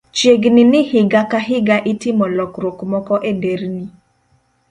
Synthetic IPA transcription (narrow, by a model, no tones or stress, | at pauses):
t͡ʃjeɡnɪnɪhɪɡakaɦɪɡaʔɪtɪmɔlɔkɾokmɔkɔʔedeɾni